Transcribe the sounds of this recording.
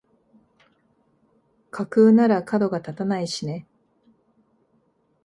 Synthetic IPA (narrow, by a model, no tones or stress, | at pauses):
kʰakɯːnaɾakad̪o̞ɡat̪at̪anaiɕine̞